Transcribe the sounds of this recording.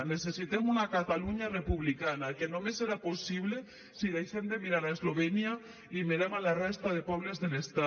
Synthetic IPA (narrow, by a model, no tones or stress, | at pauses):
nesesit̪emunakat̪aluɲarepuβlikanakenomeseɾaposiβle | siðejʃend̪emiɾaɾaezloβenja | imeɾamalarest̪að̞epɔβ̞lezðelest̪a